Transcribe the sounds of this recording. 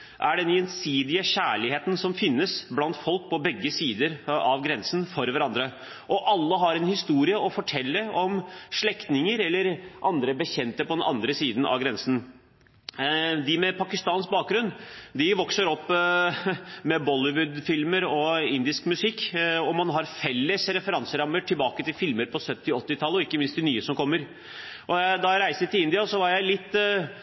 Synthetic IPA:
ʔæɖɛnjɛnsiːd̪ɪəçæːɭɪheːt̪nsɔmfɪnːəsblɑnt̪fɔlk̚pʰɔbɛɡːəsiːd̪əɾɑʋɡɾɛnsn̩fɔɾʋæɾɑnd̪ɾə | ʔɔʔɑlːəɦɑɾɛnhɪst̪uːɾɪəʔɔfɔʈʰɛlːəɔmʂɭɛkt̪nɪŋəɾɛlːəɾʔɑnd̪ɾəbəçɛnt̪əpʰɔd̪ɛnɑ̰nd̪ɾəsiːd̪ən̩ʔɑ̰ʋɡɾɛnsn̩ | d̪ɪmɛpʰɑkɪst̪ɑːnsk̚bɑːk̚ɡɾʉnːd̪ɪʋɔksəɾɔpː | mɛbɔlɪʋʉd̪fɪlməɾɔɪnd̪ɪskmʉsɪkːɔmɑnɦɑɾfɛlːəsɾɛfəɾɑnsəɾɑmːəʈʰɪlbɑːkət̪ʰɪlfɪlməɾpʰɔsœt̪ːɪɔt̪ːɪt̪ʰɑlːəɔɪkːəmɪnsd̪ɪnyːəsɔmkʰɔmːəɾ | ʔɔæd̪ɑɾæɪsət̪ɪlɪnd̪ɪɑsɔʋɑɾjæɪlɪt̪ː

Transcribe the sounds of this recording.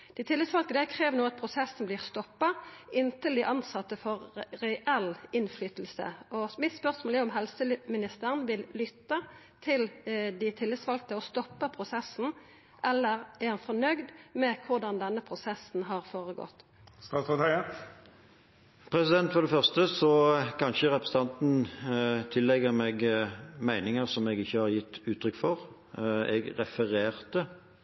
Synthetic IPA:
d̪̥ɪt̪ʰɪlːɪd̪sʋɑlkt̪əd̪ækʰʁeːʋnuːɑt̪̚pʰɾʊsɛsn̩bliːʁst̪ɔpːɑʔɪnt̪əld̪ɪʔɑnsɑt̪ːəfɔʁɾɛʔɛlɪnflyːt̪əl̩sə̰ɔmɪt̪spœʁsmoːləɔmɦɛlsəmɪnɪst̪əʁənʋɪllʏt̪ːɑ | t̪ʰɪld̪ɪt̪ʰɪlːɪd̪sʋɑlkt̪əɔst̪ɔpːəpʰʁʊsɛsːn̩ | ʔɛlːəʁæɾhɑnfɔnœɡd̪mɛkʰʊʁd̪ɑnd̪ɛnːəpʰɾʊsɛsnɦɑɾfoːʁəɡɔ̰t̪ː | st̪ɑːt̪ɔt̪æə | pʰɾɛsɪd̪ɛnt̪fɔʁɖ̪ɛfœʁst̪əsɔkʰɑnʃəɾɛpɾəsət̪ɑnt̪n̩t̪ʰɪlːɛɡːəɾmɛɡmæɪnɪŋəsɔmɛɡɪçːəhɑʁjɪt̪ːʉːt̪ʰːɾʏkːfɔʁ | ɛɡʁɛfəʁeːʁt̪ə

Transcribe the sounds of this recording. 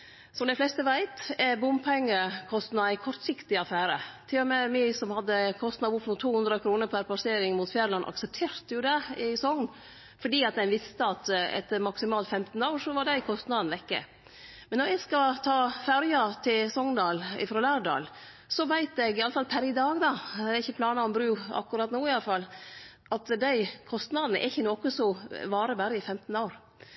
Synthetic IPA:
sɔmd̪æɪflɛst̪əʋæɪt̪ɛbʊmpʰɛŋːəkʰɔst̪nɑɪkʰɔɾt̪sɪkt̪ɪɑfæːɾət̪ʰɪlːɔmɛmɪsɔmhɑd̪ːəkʰɔst̪nɑd̪ʊpnʊːt̪ʰːuːhʉnd̪ɾəkʰɾuːnəɾpʰæɾpʰlɑseːɾɪŋmuːt̪fjæɾlɑnːʔɑ̰ksɛp̚t̪ʰeːɾt̪jʊd̪ɛɪsɔŋn | fɔɖiːɑt̪̚d̪ɛnʋɪst̪əɑt̪ɛ̰t̪ːəɾmɑksɪmɑːlt̪fɛmt̪n̩ɑʊʂɔʋɑɖæɪkʰɔst̪nɑd̪nʋɛkːə̰ | mɛnːɔɾɛɡskɑt̪ʰɑːfæɾjɑt̪ʰɪlsɔŋnd̪ɑːlɪ̰fɾoːlæːɖɑ̰ːl | sɔʋæɪt̪ɛɡɪɑlːəfɑlpʰæɾɪd̪ɑːɡd̪ɑɪçːəpʰlɑːnɑɔmbɾʉːɑ̰kːʉɾɑt̪nuːɪɑləfɑlː | ʔɑt̪d̪æɪkʰɔst̪nɑd̪nə̰ʔɛ̰ɾɪçːənɔkəsɔʋɑːɾəbæɾəɪfɛmt̪n̩ɑʊɾ

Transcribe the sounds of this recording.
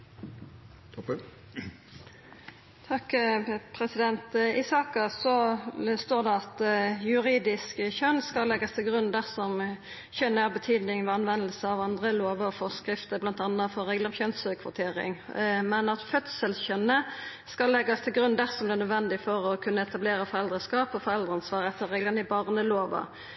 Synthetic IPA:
t̪ʰɔp | t̪ʰɑkpʰɾɛsɪd̪ɛnt̪ɪsɑːkɑsɔst̪oːʁd̪ɛɑt̪jʉɾiːd̪ɪskçœnːskɑlːɛɡɑst̪ʰɪlɡʁʉnːd̪æʁsɔm | çœnːəæʁbət̪ʰyːd̪nɪŋʋɛɑnʋɛnəlsəɑʋɑnd̪ʁəloːʋəfɔʁskɾɪft̪əblɑnt̪ɑnːəfɔɾːɛɡlɑmçœnsəkʰʋʊt̪ʰeːɾɪ̰ŋmɛnɑt̪fœt̪səlçœnːəskɑlːɛɡːɑst̪ʰɪlɡɾʉnːd̪æʁsɔmd̪ɛːnœd̪ʋɛnd̪ɪfɔɾɔkʰʉnːəɛt̪ɑbleːɾəfɔɾɛld̪ʁəskɑːpɔfɔʁɛld̪ʁəɑnsʋɑːʁɛt̪ːəɾɛɡlɑnɪbɑʁnəloːʋɑ̰

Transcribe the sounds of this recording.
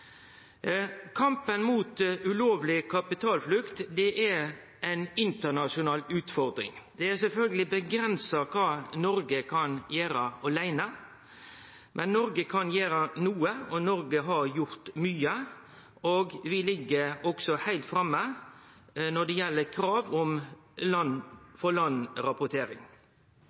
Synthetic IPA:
kʰɑmpənmuːt̪ʉloːʋlɪkʰɑpɪt̪ʰɑːlflʉkt̪d̪ɛʔɛ | æɪnɪnt̪ənɑʂʊnɑːlʉːt̪fɔɾd̪ɾɪ̰ŋd̪̥ɛæsɛlfœlɡəlɪbəɡɾɛnsɑkʰɑːnɔɾɡəkʰɑnjæːɾəɑlæɪnə | mʔɛnːɔɾɡəkʰɑnjeːɾənuːəɔnɔɾɡəɦɑɾjʊɾt̪myːə | oɡʋɪlɪɡːəɔksɔhæɪlt̪fɾɑmːə | nɔɖ̪ɛjɛlːəɾkʰɾɑːʋɔmlɑnfɔlɑnɾɑpʊt̪ʰeːɾɪŋ

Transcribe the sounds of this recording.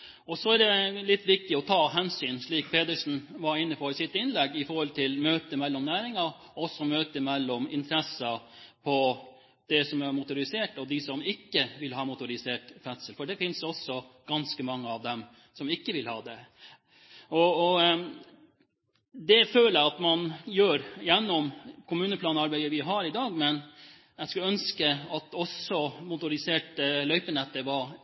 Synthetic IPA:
ɔsɔæɖɛlɪt̪ːʋɪk̚t̪ɪɔt̪ʰɑːɦɛnsyːnʂɭiːk̚pʰeːd̪əʂn̩ʋɑɾɪnːəpʰɔɾsɪt̪ːɪnlɛɡːɪfɔɾhɔlt̪ʰɪlmøːt̪əmɛlːɔmnæːɾɪŋɑɾ | ɔsːɔmøːt̪əmɛlːɔmɪ̰nt̪ʰəɾɛsəpʰɔ | d̪̥ɛsɔmæɾmʊt̪ʊɾɪseːʈɔd̪ɪsɔmɪkːəʋɪlɦɑːmʊt̪ʊɾɪseːʈfɛt̪səlfɔɖɛfɪnsɔsɔɡ̥ɑnskəmɑŋːəɑʋd̪ɛm | sɔmɪkːəʋɪlhɑːd̪ɛ | ɔɔ | d̪ɛføːləɑt̪mɑnjøːɾjɛnːɔmkʰʊmʉːnəpʰlɑːnɑɾbæɪəʋɪɦɑɾɪd̪ɑːɡmɛn | æɡskʉœnskəɑt̪ɔsɔmʊt̪ʊɾɪseːʈəlœʏpənɛt̪ːəʋɑ

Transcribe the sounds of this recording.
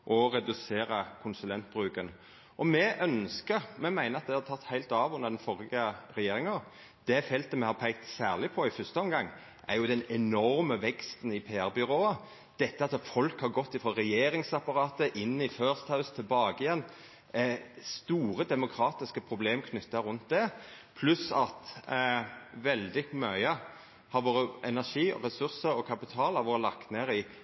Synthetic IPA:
ʔɔɾɛd̪ʉseːɾəkʰʊnsʉlɛnt̪̚bɾʉːkən | ʔɔmɛʔœnskəɾmɛmæɪnəɑt̪̚d̪ɛhɑt̪ʰɑt̪ːhæɪlt̪ɑːʋʊnːəd̪ɛnfɔɾɪəɾɛjeːɾɪŋɑɾ | d̪̥ɛfɛlt̪əmɛhɑpʰæɪk̚t̪sæːʁlɪpʰɔɪfʏst̪əɔmɡɑŋː | ʔæɾjʊd̪ɛnɛnɔɾməʋɛkst̪n̩ɪpʰeːæɾbʏɾoːɑ | d̪̥ɛt̪ːəɑt̪fɔlkhɑɾɡɔt̪ːɪfɾɔɾɛjeːɾɪŋsɑpɑɾɑːt̪əʔɪnːɪføːɾst̪hɑʉst̪ʰɪlbɑːɡəɪjɛnː | st̪uːɾəd̪ɛmʊkʰɾɑːt̪ɪskəpʰɾʊbleːmkʰnʏt̪ːəɾʉnt̪̚d̪ɛ | pʰlʉsɑt̪ | ʋɛld̪ɪmœʏə | hɑɾʋoːɾəʔɛnæʂiːɔ̰ɾɛsʉɾsəɾɔkʰɑpɪt̪ʰɑːlɑʋoːɾəlɑkt̪neːɾɪ

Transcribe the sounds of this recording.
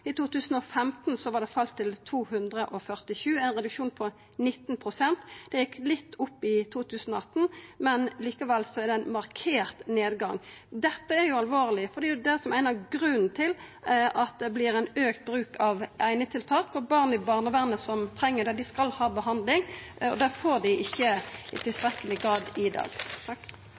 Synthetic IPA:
ɪt̪uːt̪ʉːsn̩ɔfɛmt̪nsɔʋɑɖ̪ɛfɑlt̪ʰːɪlt̪ʰuːhʉnd̪ʁəʔɔfœʁt̪ɪʃʉːæɪnʁɛd̪ʉkʂuːnpʰɔ | nɪt̪ːnpʰʁʊsɛnt̪d̪̥ɛjɪkːlɪt̪ːʊpːɪt̪ʰuːt̪ʰʉːsn̩ɔɑt̪ːn̩mɛnliːkɑʋɛlsɔæɛɾd̪ɛæɪnmɑʁkʰeːʁt̪neːd̪ɡɑŋ | d̪ɛt̪ːəæɾjʊɑlʋoːɾlɪfɔʁd̪ɛʊd̪ɛsɔmæɪnəɡɾʉnn̩t̪ʰɪlʔɑt̪̚d̪ɛblɪɾæɪnøːkt̪̚bɾʉːkʰɑʋʔæɪnət̪ʰɪlt̪ʰɑːkɔbɑːʁnɪbɑʁnəʋæʁnəsɔmt̪ʰɾɛŋːəd̪ɛd̪ɪskɑlhɑːbəɦɑnd̪lɪŋɔ̰d̪ɛfoːd̪ɪʔɪçːət̪ʰɪlst̪ɾɛkːəlɪɡɾɑːd̪ɪd̪ɑ̰ːɡ̪ʰ

